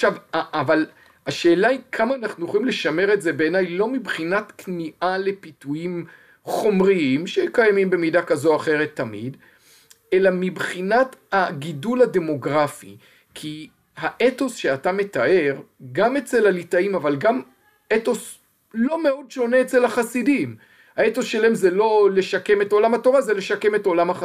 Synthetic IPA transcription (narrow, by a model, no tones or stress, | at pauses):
aχʃavaːval | aʃe̞ːlaikʰamaːnaχnujoχoimle̞ʃame̞ʁe̞tze̞be̞ːnajlo̞mibχinatkniʔale̞pitujim | χo̞mʁiimʃekajamimbe̞midakazo̞aχe̞ʁe̞t̪ːamḭd | e̞lamibχinataɡidulade̞mo̞ɡʁafḭ | kʰi | haʔeto̞sʃeatametaʔe̞ʁ | ɡame̞t͡se̞lalitaimavalɡam | eto̞s | lo̞meo̞dʃo̞neːt͡se̞lhaχasidim | haeto̞sʃelaemzelo̞leʃake̞me̞to̞lamhato̞ʁazele̞ʃake̞me̞to̞lamhaχa